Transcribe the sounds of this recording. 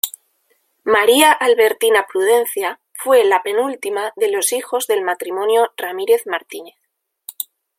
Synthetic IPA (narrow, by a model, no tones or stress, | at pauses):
maɾiaʔalβe̞ɾt̪inapɾuð̞ẽ̞nθja | fwe̞lape̞nult̪imaðe̞lo̞sixo̞zðe̞lmat̪ɾimõ̞njoramiɾe̞θmaɾt̪ineθ